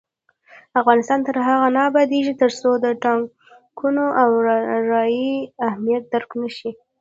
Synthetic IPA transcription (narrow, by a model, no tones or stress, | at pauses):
afɣɑnɪst̪ɑnt̪əɾɦaɣanɑbad̪eʒit̪əɾsod̪əʈɑŋ | kʰunoʔawɾɑjiahmijat̪̚d̪aɾknaʃi